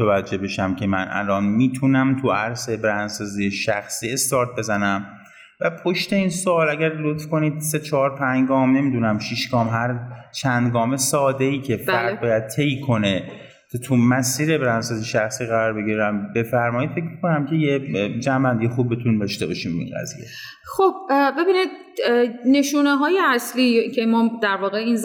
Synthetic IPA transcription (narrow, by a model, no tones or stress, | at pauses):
oevæd͡ʒːe̞hbe̞ʃæmcʰe̞mænʔæ̰lɒːnmiːt̪ʰunæmt̪ʰuæɾse̞bɾænd̪sɒːzijeʃæxsiːe̞st̪ɒːɾt̪̚ʰbe̞zænæm | væpʰo̞ʃt̪e̞iːnsoɒːlæɟæɾlot̪fko̞niːd̪̥se̞t͡ʃʰɒːɾpʰæɲɡɒːmne̞miːd̪unæmʃiʃɡ̥ɒːmɦæɾt͡ʃʰænd̪ɡɒːme̞sɒːd̪e̞iːcʰe̞fæɾd̪̚bɒːjæd̪̚t̪ʰe̞jkʰo̞ne̞ | t̪ʰt̪ʰumæsiːɾebeɾænsɒziʃæxsiːɣæɾɒːɾbe̞ɟiɾæmbe̞fæɾmɒːid̪̥fe̞c̬ʰmiko̞næmcʰe̞jed͡ʒæmbænd̪ijexub̚ːet̪ʰunind̪ɒʃt̪e̞bɒ̰ːʃiːmbeḭnɡæ̰zḭjḛ | χob̥̚be̞biːnid̪̚ | ne̞ʃuːneɦɒːjeæsliːcʰemɒːd̪æɾvɒːɣeinz